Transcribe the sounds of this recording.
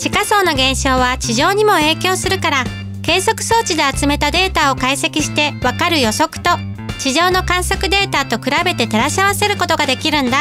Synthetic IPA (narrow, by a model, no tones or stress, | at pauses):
ɕikaso̞ːno̞ɡẽ̞ɰ̃ɕo̞ːβat͡ɕiʑo̞ːɲ̟imo̞e̞ːkʲo̞ːsɨɾɯ̟kaɾa | ke̞ːso̞kɯ̟̥so̞ːt͡ɕid̪e̞at͡sɨme̞t̪ad̪e̞ːt̪ao̞kaise̞kʲiɕi̥t̪e̞βakaɾɯ̟jo̞so̞kɯ̟̥t̪o̞ | t͡ɕiʑo̞ːno̞kãɰ̃so̞kɯ̟d̪e̞ːt̪at̪o̞kɯ̟ɾabe̞t̪e̞t̪e̞ɾaɕiaβase̞ɾɯ̟ko̞t̪o̞ɡad̪e̞kʲiɾɯ̟̃nd̪a